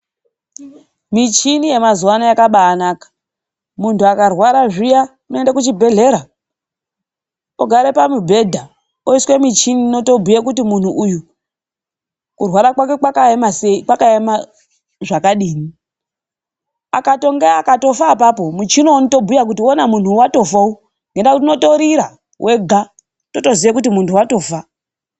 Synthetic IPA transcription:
mit͡ʃinije̞mazuwanajakaɓaːnaːkḁ | muntuakarwaɾaʐijauno̞endakut͡ʃibʱe̞ɮe̞ɾa | oɡʱaɾe̞pamibʱe̞dʱa | oiswe̞mit͡ʃinino̞to̞bʱujakutimun̤uʔuju | kurwaɾakwake̞kwakaemaseikwakaema | ʐakaɗiːni | akato̞ŋɡeakato̞faːpapo̞mut͡ʃinonito̞bʱujak̬utiwonamun̤uwato̞fau | ŋɡendakutino̞to̞ɾiɾa | wʔe̞ɡʱa | to̞to̞zijekutimuntuwato̞ːfa

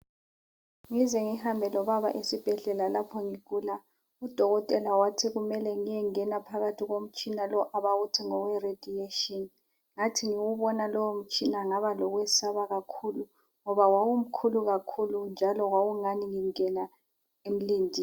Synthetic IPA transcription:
ŋizɛŋihambʱɛlɔβaβa̰ʔesib̥ʱɛɮɛlalapʰɔŋiɣuːla | ud̥ʱɔɣɔtʼɛlawatʰiɣumɛlɛŋijɛŋɛnapʰaɣatʰiɣom̩t͡ʃʼinalɔʔaβaɣutʰiŋɔwɛred̥ʱieʃɔn | ŋatʰiŋiwuβɔnalɔwom̩t͡ʃʼinaŋaβalɔɣwɛsaβaɣakʰulu | ŋɔβawawum̩kʰuluɣakʰulund͡ʒʱalɔwawuŋaniŋiŋɛna | em̩liːndʱi

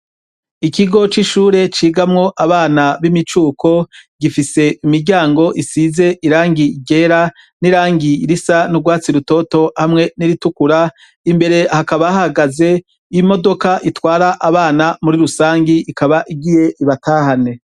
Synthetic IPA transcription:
ikiɡo̞t͡ʃiʃuːɾe̞t͡ʃiːɡamŋo̞ʔaβaːnaβimit͡ʃuːkʰo̞ɡ̥ifise̞imiɾɟaːŋɡo̞ʔisize̞ʔiɾaːŋɡiɡe̞ːɾa | niɾaːŋɡiɾisanuɡwaːt͡siɾuto̞to̞hamŋe̞niɾitukuɾa | imbe̞ɾe̞hakaβaahaɡaze̞ | imo̞do̞kaʔitwaːɾaʔaβaːnamuɾiɾusaːŋɡiikaβaʔiɡije̞ʔiβatʰaːhane̞

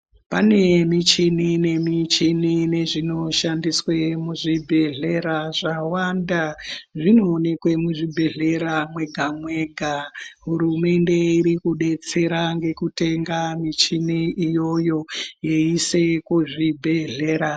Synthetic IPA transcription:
pane̞mit͡ʃinine̞mit͡ʃinine̞ʐino̞ʃandiswemuʐibʱe̞ɮe̞ɾaʐawandaʐinoːne̞kwe̞muʐibʱe̞ɮe̞ɾamwe̞ɡʱamwe̞ɡʱaɦuɾume̞nde̞iɾikuɗe̞t͡se̞ɾaŋɡe̞kute̞ŋɡamit͡ʃiniijo̞jo̞je̞ise̞kuʐibʱe̞ɮe̞ːɾa

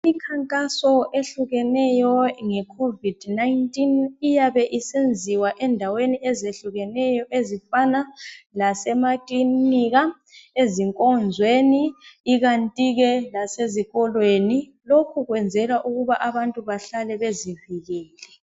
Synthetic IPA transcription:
ikʰaŋkʼasɔʔeɬuɣɛnɛjɔŋɛkʰovid̥najntʼinijaβɛʔisend͡zʱiwaʔɛndʱaweniɛzeɬuɣɛnɛjɔʔezifanalasɛmakʼliniɣa | eziŋkʼɔnd͡zʱweniːɣantʼiɣɛlaseziɣɔlweni | lokʰuɣwɛnd͡zʱɛlaʔuɣuβaʔaβantʼuβaɬalɛβeziviɣɛːlɛ

